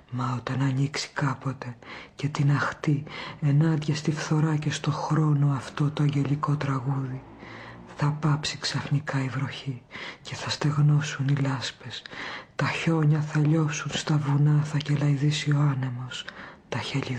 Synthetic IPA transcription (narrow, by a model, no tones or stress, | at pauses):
mɐot̪ɐnɐniksi̥kɐpo̞t̪e̞ce̞t̪inɐxt̪ie̞nɐnd̪ʝɐst̪ifθo̞ɾɐce̞st̪o̞xɾo̞no̞ɐft̪o̞t̪o̞ɐɲɟe̞ʎiko̞t̪ɾɐɣuði | θɐpɐpsiksɐfnikɐivɾo̞çice̞θɐst̪e̞ɣno̞sunilɐspe̞st̪ɐço̞ɲɐθɐʎo̞sunst̪ɐvunɐθɐcelɐjðisio̞ɐne̞mo̞st̪ɐçeʎi